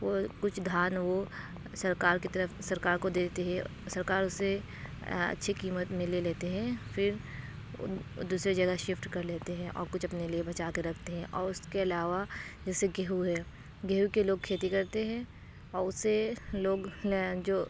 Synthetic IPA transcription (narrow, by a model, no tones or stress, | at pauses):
ʋokʊt͡ʃʰd̪ʱaːnʋo | sɐɾkaːɾkit̪ɐɾəfsɐɾkaːɾkod̪eːt̪eɦɛ̃ | sɐɾkaːɾʊse | ɐ̰tːʃʰikiːmət̪mɪ̃leleːt̪eɦɛ̃fʰɪɾ | d̪uːsɾed͡ʒɐɡaʃɪfʈkɐɾleːt̪eɦɛ̃ʔɔ̰ːɾkʊt͡ʃʰɐpneliebɐt͡ʃaːkeɾɐkʰt̪eɦɛ̃ʔɔːɾʊskeɐlaːʋad͡ʒɛːseɡeɦuɦɛː | ɡeɦukeloːɡ̚kʰeːt̪ikɐɾt̪eɦɛ̃ː | ɔːʊseloːɡd͡ʒoː